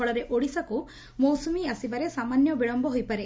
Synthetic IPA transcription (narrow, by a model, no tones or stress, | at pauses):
ɔɭɐɾeʔoɽisɐku | mɔwsumiɐsiʋɐɾesaːmaːnjɔbiɭɔmbɔɦojpaɾe